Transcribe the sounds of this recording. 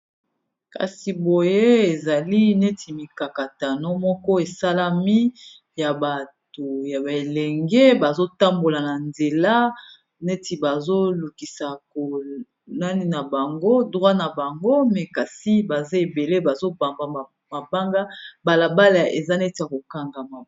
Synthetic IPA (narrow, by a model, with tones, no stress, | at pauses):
ka̰˨si˨bo˨je˦e˨za˨li˦ne˦tʰi˨mi˨ka˨ka˨ta˨no˦mɔ˦kɔ˦e˨sa˦la˦mi˦ | ja˨ba˨to˨ja˨ba˨e˨lɛ˨ŋɡɛ˦ba˨zo˦ta˦mbo˨la˨na˨nze˨la˦ | ne˦tʰi˨ba˨zo˦lu˨ki˨sa˨ko˨ | na˦ni˦na˨ba˨ŋɡo˦dʁwa˦na˨ba˨ŋɡo˦mɛ˨ka˨si˦ba˨ze˦e˨be˨le˦ba˨zo˦ba˨mba˨ | ma˨ba˦ŋɡa˦ba˨la˨ba˦la˨ḛ˨za˦nɛ˦ti˨ja˨ko˨ka˦ŋɡa˨ma˨